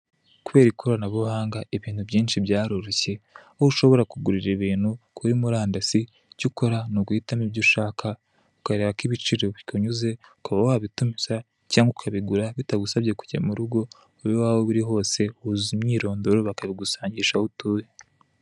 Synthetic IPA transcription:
kuβe̞ːɾikʰoɾanaβohaːŋɡaeβiːnhubɟiːnʃibjaːɾoɾoce̞ | ouʃo̞βo̞ɾakuɡuɾiɾiβiːn̥hukʰuɾimuɾaːndasi | cuko̞ɾanoɡuitamiβɟuʃaːkʰa | ukaɾe̞ːβakiβit͡ʃiɾoβikoɲuze̞ukaβawaβitumisa | caːŋɡukʰaβiɡuɾaβitaɡusaβɟe̞ku̥ɟamuɾuɡo̞ | uβowaːβoβuɾiɦo̞ːse̞hhuzimɲiːɾo̞ːndoɾoβakaβiɡusaːɲɟiʃahutuːje

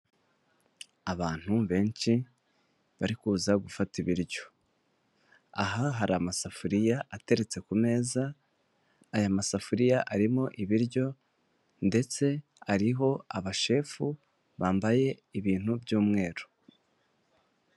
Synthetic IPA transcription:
aβaːn̥uβe̞ːnʃi | βaɾikuːzaɡufatiβiɾjo̞̥ | a̰ɦaɦaɾamasafuɾijaʔate̞ɾe̞t͡se̞kume̞ːzaː | jamasafuɾijaʔaɾimo̞ʔiβiɾɟo̞ | nde̞t͡se̞ | aɾiɦo̞aβaʃe̞ːfu | βaːmbaje̞ | iβiːn̥hubjuːmŋe̞ːɾo

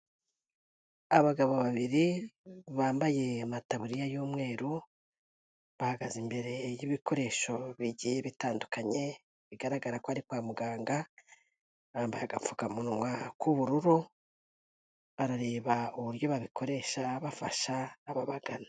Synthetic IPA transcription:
aβaɡaβo̞βaβiɾiβaːmbaje̞mataβuɾijajuːmŋe̞ːɾu | βahaɡazimbe̞ɾe̞jiβikʰo̞ɾe̞ʃo̞βiɟijeβitaːndukaɲe̞ | βiɡaɾaɡaɾakoaɾikwaːmuɡaːŋɡa | βaːmbajaɡafukamunwakuβuɾuɾo | βaɾaɾe̞ːβauβuɾjo̞βaβikʰo̞ɾe̞ʃaβafaʃaːβaβaɡana

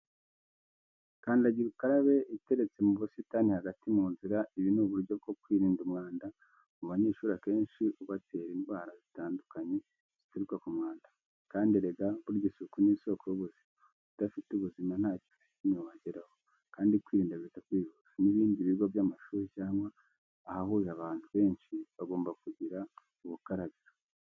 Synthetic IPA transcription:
kaːndiaɟiɾukaɾaβe̞ite̞ɾe̞t͡se̞muβusitanihaɡatimuːnziɾaʔiβinuβuɾɟo̞b̚ɡo̞kwiːɾiːndumŋaːnda | muβaɲeːʃuːɾake̞ːnʃiʔuβatʰe̞ːɾinwaːɾazitaːndukaɲe̞ | z̥iteɾikwakumŋaːnda | kaːndeɾeɡaβuɾɟisukuniso̞koɾoβuzima | βutafituβuziman̥haːci̥fa | inoβaɟeɾaho | kaːndikwiːɾiːndaβitakwiːβuzaniβiːndiβiɡovjamaʃuːɾecaːŋɡaː | hahujaβaːntuβe̞ːnʃiβaɡo̞ːmbakuɟiɾa | uβukaɾaβiɾa

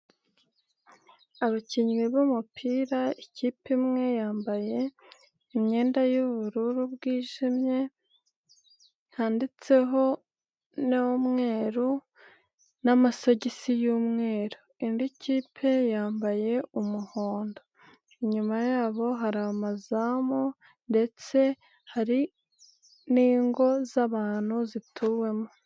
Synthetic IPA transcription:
aβaciɲɡiβumupʰiːɾaiciːpimŋe̞jaːmbaje̞ | imɲe̞ːndajuβuɾuɾubɡiːʒimɲe̞ | haːndit͡se̞ɦo̞ | nomŋe̞ːɾu | namaso̞ɟisijuːmŋe̞ːɾu | indiciːpʰe̞jaːmbaje̞umuho̞ːndo̞ | iɲumajaːβo̞ɦaɾamazamo | nde̞t͡se̞ | haɾi | niːŋɡo̞zaβaːn̥huzitʰuwe̞mo

